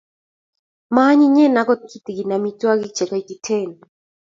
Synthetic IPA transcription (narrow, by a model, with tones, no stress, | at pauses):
ma˦ɲi˦ɲɛ˦˨na˨˦kɔ˦t̚kʰi˦t̪i˨ɡi˨na˨mi˦twa˦ki˦t͡ʃɛ˨ka˦i˨ki˨tʰɛ˦˨nɔ